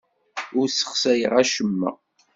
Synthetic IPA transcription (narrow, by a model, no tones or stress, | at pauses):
ʊɾsə̥χsæjə̰ʁæʃəmːæ̰